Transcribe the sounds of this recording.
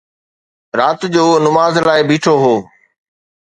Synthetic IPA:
ɾaːt̪d͡ʑoːnʊmaːzlaːɪbiːʈʰoɦoː

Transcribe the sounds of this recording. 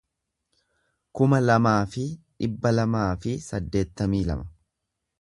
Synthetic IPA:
kʊmɐlɐmaːfɪᶑɪbːɐlɐmaːfɪsɐd̪ːe̞ːt̪ːɐmiːlɐ̰mɐ̥

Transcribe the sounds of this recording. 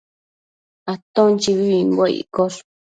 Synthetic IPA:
at̪õnt͡ʃiβiiŋɡʷaḭkoɾ

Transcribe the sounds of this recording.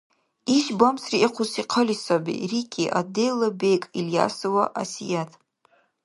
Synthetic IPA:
iʒbamsriʔiqʷʰʊsiqʰəlisabḭrikʰʲʼiʔa̰dejlabejkʼilja̰sowaʔa̰sijatʼ

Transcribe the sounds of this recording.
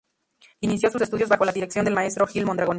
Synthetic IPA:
inisjo̞susest̪uðjo̞zβaxo̞laðiɾeksjond̪emae̞st̪ɾo̞xilmond̪ɾaɣon

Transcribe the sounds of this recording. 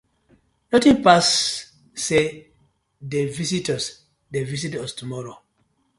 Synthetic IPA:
nɔtĩŋpasː | e | devisitəs | devis̬itɔstumɔɹo

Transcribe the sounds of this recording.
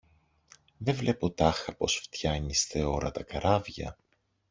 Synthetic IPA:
ðevle̞po̞t̪ɐxɐpo̞sft̪çɐɲist̪e̞o̞ɾɐt̪ɐkɐɾɐvʝɐ̰

